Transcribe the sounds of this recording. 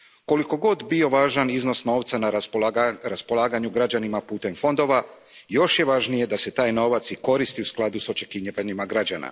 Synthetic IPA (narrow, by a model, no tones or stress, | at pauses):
ko̞liko̞ɡo̞d̪bio̞ʋaːʒanizno̞sno̞ːʋt̪sana | ɾaspo̞lˠaːɡaɲuɡɾad͡ʒanimapuːt̪e̞mfo̞nd̪o̞ʋa | jo̞ʃje̞ʋaːʒnije̞d̪ase̞t̪aːjno̞ːʋat̪siko̞ɾist̪iusklˠad̪uso̞t͡ʃe̞kiɲiʋaɲimaɡɾad͡ʑana̰